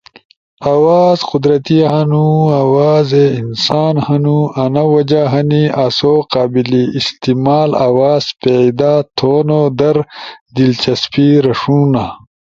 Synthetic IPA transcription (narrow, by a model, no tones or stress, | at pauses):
awaːzqud̪ɾɐt̪iɦɐnuawaːzeinsaːnhɐnuɐnɐwɐd͡ʑaɦɐniɐsoqaːbiliːst̪imaːla̰waːzpeid̪aːt̪ʰoːnod̪ɐɾd̪ilt͡ɕɐspiɾɐʂuːna